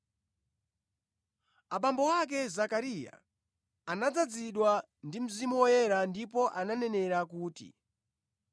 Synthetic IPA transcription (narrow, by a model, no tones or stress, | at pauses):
aɓambɔwak̬ɛzakaɾija̰ | anad͡zad͡ziɗwa | ndim̩zimuwɔjɛɾandipɔʔananɛnɛɾakuːtḭ